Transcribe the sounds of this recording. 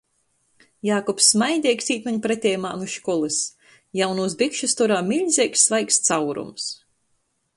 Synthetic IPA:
jaːkɔpsːmajd̪ʲiɛksiːt̪mɛɲpɾɛt̪ʲɛːjmaːnuʃkɔlˠɨs | jawnuːs̬bikʃust̪ɔɾaːmʲilʲzʲiɛksːvajkst̪sawɾṵms

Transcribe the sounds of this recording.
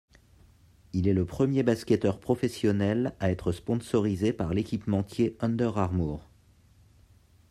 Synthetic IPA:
ilɛləpχəmjebaskʲɛt̪œʁpχɔfɛsjɔnɛlaɛt̪χəspɔ̃sɔʁizepaʁlekʲipmɑ̃t̪jeɔ̃nd̪œʁaʁmuːʁ

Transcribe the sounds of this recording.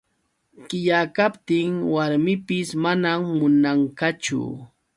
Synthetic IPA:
kɪjakapt̪ɪŋwaɾmɪpɪsmanamːʊnaŋkat͡ʃʊ̰

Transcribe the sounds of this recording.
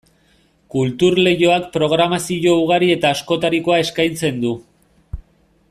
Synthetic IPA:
kult̪uɾle̞jo̞akpɾo̞ɣ̞ɾamasio̞uɣ̞aɾie̞t̪aːsko̞t̪aɾiko̞ae̞skajnt͡se̞nd̪u

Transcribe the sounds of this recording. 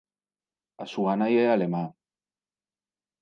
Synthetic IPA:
asuɣanajealema

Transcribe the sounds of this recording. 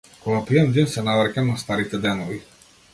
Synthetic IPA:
koɡapiɛnd̪insɛnavɾkamnast̪aɾit̪ɛd̪ɛnɔvi

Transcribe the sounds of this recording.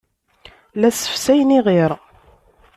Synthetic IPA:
læsə̥fsæjniʁiɾ

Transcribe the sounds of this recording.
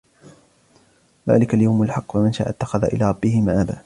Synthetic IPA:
ða̰ːlɪkaljawmalħɑqːfamɪnʃa̰ːʔat̪ːaxaðaʔɪ̰laːɾˤɑbːɪhɪmaːʔaba̰ː

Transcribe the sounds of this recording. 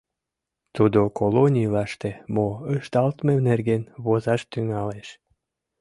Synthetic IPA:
t̪ud̪okolonʲijlɑʃt̪emoəʃt̪ɑlt̪menerɡenβozɑʃt̪yŋɑleʃ

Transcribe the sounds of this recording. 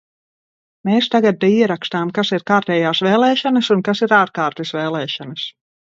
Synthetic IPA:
meːst̪aɡad̪̚ːɛiɛɾakst̪aːmkasiɾkaːɾt̪ɛːjaːsveːlˠɛːʃanɐsunkasiɾaːɾkaːɾt̪ɛsveːlˠɛːʃanɐs

